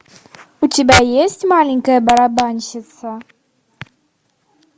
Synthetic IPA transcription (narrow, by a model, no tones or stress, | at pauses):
utʲɪbʲajesʲtʲmalʲɪŋʲkəjəbɐɾabanʲʃɪt̪sɐ